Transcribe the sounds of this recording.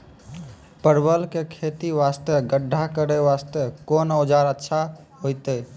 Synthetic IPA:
pəɾbəlkekʰet̪iʋast̪əɡəɖʱːakəɾɛʋast̪əkonod͡ʒaɾətːʃʰa | ɦojt̪ɛ

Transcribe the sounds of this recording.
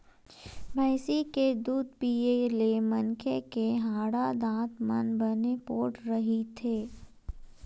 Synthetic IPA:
bʱɛːsiked̪uːd̪̚piːelemɐnkʰekeɦãːɽad̪ãːt̪mɐ̰nbənepoːʈɾɐɦit̪ʰeː

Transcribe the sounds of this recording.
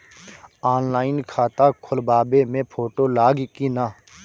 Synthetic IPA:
aːnlaːɪnkʰaːt̪aːkʰʊlbaːbeːmẽːpʰoːʈoːlaːɡkiːnaː

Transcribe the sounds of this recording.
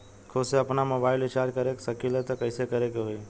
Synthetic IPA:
kʰoseəpnamobaːɪlɪt͡ʃaːɾd͡ʒkəɾeksəkilɛt̪ɔkəɪsekəɾekeɦoi

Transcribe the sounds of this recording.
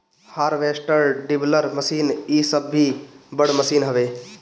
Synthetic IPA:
haːɾʋeːsʈəɾɖɪbləɾməsiːniːsəbːibəɽməsiːnɦəʋeː

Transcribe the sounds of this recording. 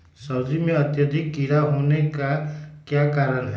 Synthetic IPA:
sʌbd͡zimeʌt̪jʌd̪ʱikːiɾaɦonekakjakaɾən

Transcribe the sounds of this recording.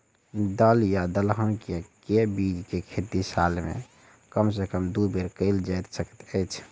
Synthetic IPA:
d̪əljad̪əlɦənkjakebid͡ʒkekʰet̪isalmḛ | kəmsekəmd̪ubeɾkəɪld͡ʒajt̪səkə̥t̪əjt͡ʃʰ

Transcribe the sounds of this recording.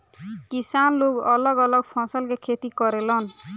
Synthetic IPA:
kisanloɡʌlʌɡʌlʌɡpʰɔ̃sʌlkekʰet̪ikʌɾelʌn

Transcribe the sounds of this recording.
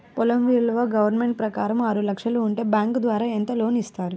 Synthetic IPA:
pɔlɐmʋiːɭːɐʋɐːɡɐʋɐɾnme̞ɳʈ̚pɾɐkaːɾɐmaːɾulɐkʂɐluːɳʈe̞ːbjaːŋkd̪ʋaːɾaːent̪ɐlo̞ːnist̪aːɾu

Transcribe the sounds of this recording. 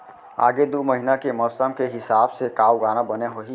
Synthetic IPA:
a̰ːɡed̪oməɦɪnakemɔːsəmkeɦɪsaːbsekaːwɡaːnabəneɦoɦi

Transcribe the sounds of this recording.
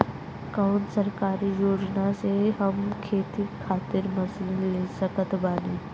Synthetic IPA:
kaʊnsəɾkaːɾijoːd͡ʒnaseɦɐmkʰeːt̪ikʰaːt̪ɪɾmɐsɪnlesəkət̪baːniː

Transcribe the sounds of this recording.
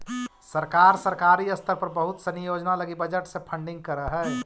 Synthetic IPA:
səɾkaːɾsəɾkaːɾiɐst̪ʰəɾpɐɾbɐɦʊt̪sɐ̃njoːd͡ʒnalɐɡibɐd͡ʒəʈsepʰə̃ɳɖɪ̃ŋɡ̚kəɾəɦɛː

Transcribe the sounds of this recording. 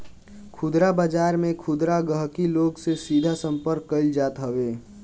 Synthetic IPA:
kʰʊd̪ɾabəd͡ʒaːɾmẽkʰʊd̪ɾaɡəɦkiloːɡsesiːd̪ʱasə̃mpəɾkːəɪld͡ʒaːt̪ɦəʋeː

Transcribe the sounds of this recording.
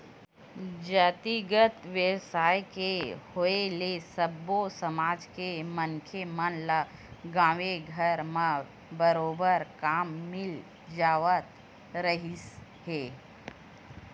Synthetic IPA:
d͡ʒət̪iɡət̪ʋesaːjkehoelesəbːosəmaːd͡ʒkeməŋkʰemənlaɡãːʋeɡʱəɾmã | bəɾoːbəɾkaːmːɪl | d͡ʒaːʋət̪ | ɾəɦiheː

